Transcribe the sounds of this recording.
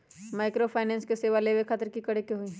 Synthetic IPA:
maːɪkɾopʰaːnɛ̃ːnskeseːʋaleːʋekʰaːt̪əɾkikɐɽ̤ekeɦoi

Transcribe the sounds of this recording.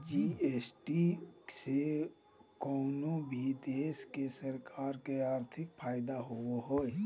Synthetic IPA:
d͡ʒieːsʈise | kɔːnobʱid̪eːskesəɾkʰaːɾkeaːɾt̪ʰɪkpʰaːjɪd̪aɦʊoɦoːe

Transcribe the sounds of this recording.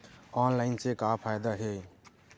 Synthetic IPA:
ɔnlaɪnsekapʰajd̪aɦe

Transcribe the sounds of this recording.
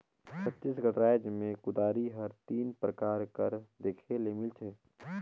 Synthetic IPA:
t͡ʃʰət̪ːiːsɡʱəʈɾaːjd͡ʒmẽkʊd̪aːɾiɦɐɾt̪iːnpɾəkaːɾkəɾd̪eːkʰelemɪlt͡ʃʰeː

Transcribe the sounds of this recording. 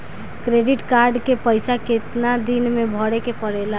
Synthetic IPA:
kɾeɖiʈkaɾɖkepəɪsaket̪nad̪inmebʱɔɽekepəɽela

